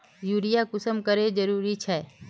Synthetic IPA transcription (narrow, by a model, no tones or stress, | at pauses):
juːɾɪjakʊsəmkəɾed͡ʒəɾuːɾit͡ʃʰɛː